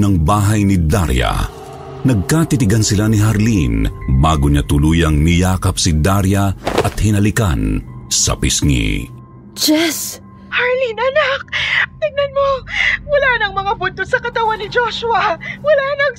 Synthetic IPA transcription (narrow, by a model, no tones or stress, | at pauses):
nɐŋbaːɦɐjnid̪a̰ɾjɐ̰ | nɐɡ̚kat̪it̪ɪɡɐnsɪlaniɦɐɾlinbaːɡʊɲat̪ʊluːjɐŋnɪjaːkɐp̚sid̪aɾjɐʔɐt̪̚hɪnɐlɪka̰nsɐ̰pisŋḭ | d͡ʒɛs | hɐɹlinɐnak̚t̪ɪɡ̚nɐnmowɐlaːnɐŋmɐŋabʊnt̪osɐkɐt̪ɐwanːɪd͡ʒoʃʊɐwɐlanɐŋ